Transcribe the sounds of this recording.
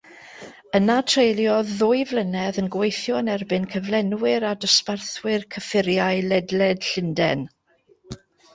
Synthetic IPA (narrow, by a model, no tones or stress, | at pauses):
ənatʰrejlˠjɔðːʊɨvlˠənɛðənɡwejθjɔənɛrbɪnkʰəvlˠɛnwɪɾadɔsparθwɪrkʰəfɪɾjaɨlɛdlɛd̥ɬɪndɛ̰n